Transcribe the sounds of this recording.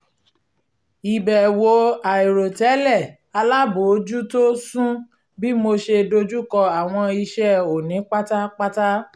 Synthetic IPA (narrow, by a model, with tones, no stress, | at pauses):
i˨bɛ˨wo˨a˨i˨ɾo˨tɛ˨˦lɛ˦˨ | a˧la˦bo˨˦d͡ʒu˦to˦sũ˦ | bi˦mo˧ʃe˧do˧d͡ʒu˦kɔ˧a˨w̃ɔ̃˧i˧ʃɛ˦o˨nĩ˨˦k͡pa˦ta˦k͡pa˦ta˦